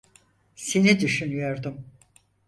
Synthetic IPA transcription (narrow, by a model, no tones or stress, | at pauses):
senid̪yʃynyjo̞ɾd̪ʊm